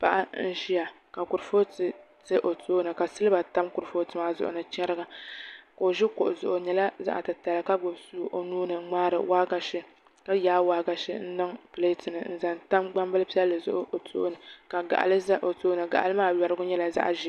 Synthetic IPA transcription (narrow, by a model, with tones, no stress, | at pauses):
pa˦ʔa˦n̩˦ʃi˦ja˨ | ka˨kʊ˨ɾfo˦tɨ˨ | tɨ˦ʔo˨tu˦nɨ˨ka˨sɨ˦lɨ˦ba˨ta˦mkʊ˨ɾfo˦tɨ˦ma˦zʊ̰˨ʔʊ̰˨nɨ˨t͡ʃɛ˦ɾɨ˦ɡa˨ka˨o˨ʒɪ˦kʊ˨ʔʊ˨zʊ˨ʔʊ˨ɲɛ˨la˦za̰˦ʔa̰˨tɨ˨ta˨lɨ˨ka˦˨ɡʊ˨bsu˦ʔo˨nuː˦nɨ˨˦ŋ͡maː˦ɾɨ̰˨waː˦ɡa˨ʃɪ˦ | ka˦jaː˦waː˦ɡa˨ʃɪ̰˦n̩˦nɨ˦ŋple˦tɨ˨nɨ̰˨n̩˦za˨nta˦mɡ͡ba˦mbɨ˦lɨ˦pi˦ɛ˦lːɨ˨zʊ̰˦ʔʊ˦ʔo˨tʰu˦ʔnɨ˨ka˨ɡa̰˨ʔa̰˨lɨ˦za˦ʔo˨toː˦nɨ˨ɡa̰˨ʔa̰˨lɨ˦maː˦jɛ˨ɾɨ˦ɡʊ˦ɲɛ˦la˨za̰˦ʔa̰˨ʒɪ˦